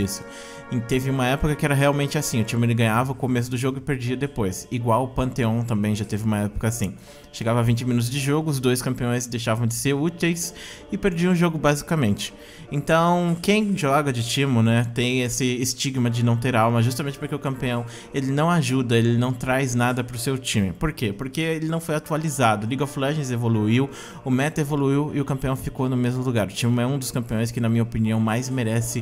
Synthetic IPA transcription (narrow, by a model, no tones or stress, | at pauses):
isʊ̥ | ĩt̪evɪũmɐɛpʊkɐkɪɛɾɐɦeawmẽnt͡ʃɪasĩʊt͡ʃĩmʊelɪɡɐ̃ɲavɐʊkomes̬ʊd̪ʊʒoɡʊɪpeɾd͡ʒiɐd̪epojsiɡwawʊpɐ̃nt̪eõt̪ɐ̃mbẽj̃ʒat̪evɪũmɐɛpʊ̥kɐasĩ | ʃeɡavɐavĩnt͡ʃɪminut̪ʊzd͡ʒɪʒoɡʊʊzd̪ojskɐ̃mpiõj̃sd̪ejʃavɐ̃w̃d͡ʒɪseɾut̪ejs | ɪpeɾd͡ʒiɐ̃w̃ʊʒoɡʊbazikɐmẽnt͡ʃɪ̥ | ẽnt̪ɐ̃w̃kẽj̃ʒɔɡɐd͡ʒɪt͡ʃĩmʊnɛt̪ẽj̃esɪːst͡ʃiɡmɐd͡ʒɪnɐ̃w̃t̪eɾawmɐʒus̬t̪aɐmẽnt͡ʃɪpoɾkeʊkɐ̃mpiɐ̃w̃ | elɪnɐ̃w̃aʒud̪ɐelɪnɐ̃w̃t̪ɾajznad̪ɐpɾʊsewt͡ʃĩmɪpoɾkepoɾkeelɪnɐ̃w̃fojat̪ualizad̪ʊliɡaflɐ̃ʒẽzevoluiw | ʊmɛt̪ɐevoluiwɪʊkɐ̃mpiɐ̃w̃fikownʊmezmʊluɡaɾʊt͡ʃĩmʊɛũd̪ʊskɐ̃mpiõj̃skɪnɐmĩɲɐopiniɐ̃w̃majzmeɾɛsɪ